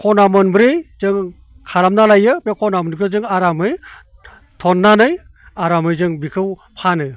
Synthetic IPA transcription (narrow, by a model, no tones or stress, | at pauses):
kʰɔnamɯnbɾejzɯŋ | kʰaɾamnalajɯbekʰɔnamɯnkʰɯzɯŋaɾamɯj | tʰɔnːanɯj | aɾamɯjzɯŋbikʰɯwpʰanɯ